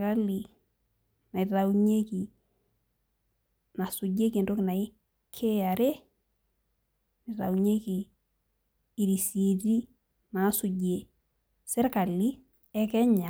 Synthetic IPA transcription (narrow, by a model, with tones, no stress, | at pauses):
ka˦li˨ | na˨ɪ˨ra˨wuɲe˦ki˨ | na˨sʊ˨ɟe˦ki˨ndo˦kna˨ɪ˦ | kʰe˦a˨ɾe˦ | ni˨ɾa̰˨wɲe˦ki˨ | i˨ɾi˨se˨di˦ | ma˨˦su˨ɟe˨ | sɛ˦ɾka˨li˦ | ɛ˦kɛ˦ɲa˨